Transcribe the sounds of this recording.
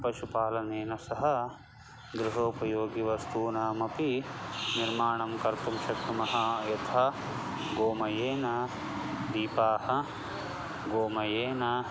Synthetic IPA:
pɐʃupaːlɐneːnɐsɐɦɐ̆ | d̪ɾuɦoːpɐjoːɡiʋɐst̪uːnaːmɐpiniɾmaːɳɐmkɐɾt̪umʃɐkt̪umɐɦɐjɐt̪ʰɐ | ɡoːmɐjeːnɐ | d̪iːpaːhɐ | ɡoːmɐjeːnɐ

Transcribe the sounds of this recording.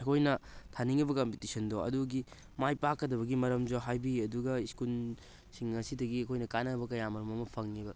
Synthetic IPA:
ɐkʰojnɐtʰaniŋɐbɐkɐmpitisɐndoɐ̰duɡi | majpakːɐdɐβɐɡimɐɾɐmzoɦajbiɐduɡɐiskul | siŋɐsidɐɡiɐkʰojnɐkanɐbɐkɐjamɐɾɐmɐmɐpʰɐŋːibɐ

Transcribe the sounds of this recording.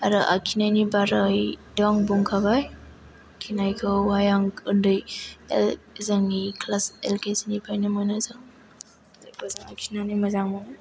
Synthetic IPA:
aɾaʔa̰kʰinajnibaɾajdaŋbuŋkʰabaj | kʰinajkʰɯwajaŋɯndɯjel | zaŋikʰlaselkesinipajnɯmɔjnazaŋ | zakɔzaŋakʰinanimɐzaŋmɔna

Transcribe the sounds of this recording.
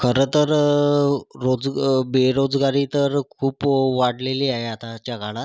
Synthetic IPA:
kʰəɾət̪əɾ | ɾod͡zbeɾod͡zɡaɾit̪əɾkʰuːpʋaɽleliːaɦeat̪at͡ɕjaɡʱaɽ̃a

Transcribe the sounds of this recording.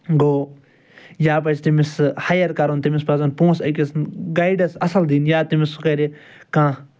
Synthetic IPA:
ɡoː | jaːp̬ɐt͡ʃt̪imishajɐɾkɐɾont̪imispɐzɐnpõːsɐkʲisnɡajɖɐsɐsɐld̪iːnjaːt̪imisukɐɾe | kãː

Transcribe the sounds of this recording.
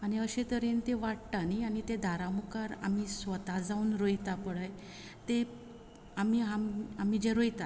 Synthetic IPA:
aɽ̃iəɕet̪əɾent̪eʋaʈʈ̪anianit̪ẽd̪ʱaɾamukaɾa̰m̤isʋət̪ad͡zaunɾojt̪apəɽɭəj | t̪e | amiɦamam̤id͡ʑeɾojt̪a

